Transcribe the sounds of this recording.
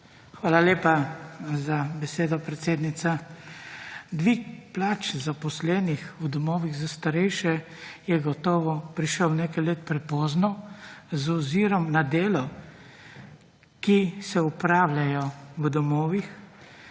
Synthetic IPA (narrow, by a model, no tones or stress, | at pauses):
xʋaːlaleːpazabɛseːd̪ɔpɾɛt̪seːd̪nit̪sa | d̪ʋikplaːt͡ʃzapɔslɛːnixud̪ɔmɔːʋiɣzast̪aɾɛjʃɛ | jɛɡɔt̪ɔːʋɔpɾiʃəwnekajleːt̪̚pɾɛpɔːznɔzɔziːɾɔmnad̪eːlɔ | kisɛupɾaːwlʲajɔʋd̪ɔmɔːʋix